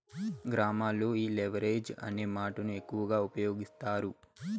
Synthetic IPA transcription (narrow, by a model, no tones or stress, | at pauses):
ɡɾaːmaːlːo̞ːiːleʋɐɾe̞ːd͡ʒɐ̰ne̞ːmaːʈɐnue̞kːuʋɐɡaːupɐjo̞ːɡist̪aːɾu